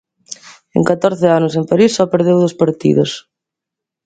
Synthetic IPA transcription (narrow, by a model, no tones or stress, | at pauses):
ḛŋkat̪ɔɾθeanʊsempaɾisːɔpeɾð̞ewðospaɾt̪ḭðos